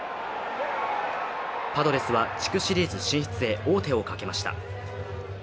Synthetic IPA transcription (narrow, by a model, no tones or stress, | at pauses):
pad̪o̞ɾe̞sɨβat͡ɕi̥kɯ̟ɕiɾʲiːzɨɕĩɰ̃çi̥t͡sɨe̞ʔo̞ːt̪e̞o̞kake̞maɕi̥t̪a̰